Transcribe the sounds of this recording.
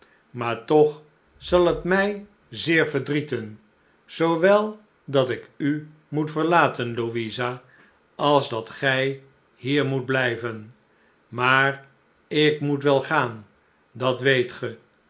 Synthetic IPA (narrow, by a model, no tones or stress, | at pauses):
maːɹtɔχ | zɑlˠɦətmɛj | zɪːɹvəɹdritən | z̥owʋɛlˠ | dɑtɪky | mutfəɹlaːtənloʋiza | ɑlˠzdɑtχɛj | ɦiːɹmud̚blɛjvən | maːr | ɪkmutʋɛlˠχaːn | dɑtʋejtχə